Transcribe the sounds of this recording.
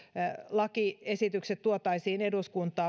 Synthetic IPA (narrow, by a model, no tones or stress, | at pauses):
lɑkiesit̪ykset̪tuot̪ɑisiːneduskunt̪ˑɑː